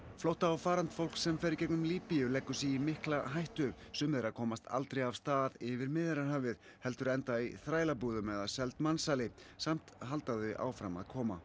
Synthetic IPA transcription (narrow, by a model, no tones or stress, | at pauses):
flowht̪aːwfaːɾant̪fowl̥ksɛmfɛɾɪcɛknʏmliːpijʏlɛkːʏ̥siimɪhklaɦajht̪ʏ | sʏmðɛɾaðkʰɔːmast̪a̰l̪t̪ɾejav̥st̪aːðɪvɪɾmɪðɪɾaɾhaːvɪð | hɛlt̪ʏɾɛnt̪aiθɾaːjlapuːðʏmɛðasɛlt̪mansaːlɪsam̥t̪ɦal̪t̪aðʏʔa̰ːwfɾama̰ðkʰɔːma̰